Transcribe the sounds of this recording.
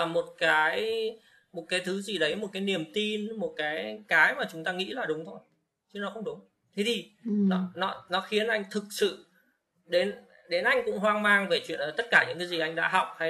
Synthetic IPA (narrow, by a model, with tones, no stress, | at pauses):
a˨˩mo˨˩t̚kaː˨˦j | mo˨˩t̚kaː˨˦jt̪ʰɨ˨˦zi˨˩ɗə˨˦jmo˨˩t̚kaː˨˦jni˨˩əmt̪i˧nmo˨˩t̚kaː˨˦jkaː˨˦jmaː˨˩t͡ɕʊ˨˦ŋ͡mt̪aː˧ŋḭ˧˥laː˨˩ɗʊ˨˦ŋ͡mt̪ʰo˧j | t͡ɕɨ˨˦nɔ˨˦xə˧wŋ͡mɗʊ˨˦ŋ͡m | t̪ʰi˨˦t̪ʰi˨˩nɔ˨˦nɔ˨˦nɔ˨˦xi˨˦ənʔa˧jŋ̟t̪ʰɨ˨˩k̚sɨ̰˧˨ | ɗe˨˦n | ɗe˨˦nʔa˧jŋ̟kʊ̰˧˥ŋ͡mɦwaː˧ŋmaː˧ŋve˨˧˩t͡ɕwḭ˧˨ənː˨˩t̪ə˦˥t̚kaː˧˩ɲɨ̰˧˥ŋkaː˨˦jzi˨˩ʔa˧jŋ̟ɗa̰ː˧˥ɦɔ˨˩wk͡p̚ha˧